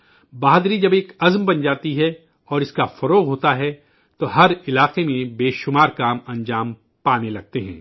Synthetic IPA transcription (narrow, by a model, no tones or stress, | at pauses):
baːɦd̪ɾid͡ʒɐbeːkɐzmbɐnd͡ʒaːt̪iɦɛ | ɔːɾɪskafɐɾoːɣɦoːt̪aɦɛ | t̪oɦɐɾɪlaːqemẽbeːʃʊmaːɾkaːmɐ̃ɲd͡ʒaːm | paːnelɐɡ̚t̪eɦɛ̰̃ː